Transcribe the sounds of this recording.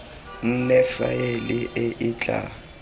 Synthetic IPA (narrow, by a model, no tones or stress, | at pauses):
n̩nɛfa̰jelɪʔɪʔɪt͡ɬʼa̰